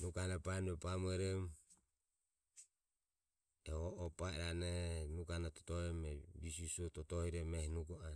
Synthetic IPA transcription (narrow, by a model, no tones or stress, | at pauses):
nuɡanapanuɛpamɛɾɛm | ɛɔʔɔpaɛɾanɛnuɡanat̪ɔ̥t̪ɔɛmɛbisusɔt̪ɔt̪ɔhiɾɛmɛhinuɡɔa